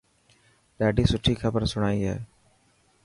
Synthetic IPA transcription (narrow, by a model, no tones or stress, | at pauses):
ɖaːɖiːsʊʈʰːiːkʰəbəɾsʊɽaːiːɦɛ̰ː